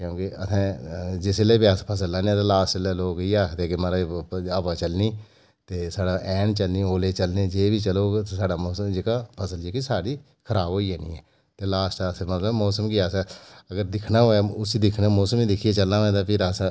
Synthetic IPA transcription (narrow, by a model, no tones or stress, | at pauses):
kjõːkeəsʰɛ̃ːd͡ʒɪsleːbɪaːspʰəsəlaːnẽːt̪aːlaːsʈleːloːkiːaːt̪eːkemːɾaaːpaːt͡ʃəlniː | t̪eːsaːɖaːʔɛːnt͡ʃəlniːoːleːt͡ʃəlneːd͡ʒeːbiːt͡ʃəloːɡt̪esaːɖaːmɔːsəmd͡ʒekaːpʰəsəld͡ʒeːkisaːɽiː | kʰəɾaːbɦoːiːɛːnḭ̃ːɛː | t̪eːlaːsʈasmət̪ləbmɔːsəmkiaːsaːəɡəɾd̪ɪkʰnaːɦoːaːʊsiːd̪ɪkʰnãːmɔːsəmiːd̪ɪkʰiːeːt͡ʃəlnãːɛ̃ːd̪aːpʰɪɾas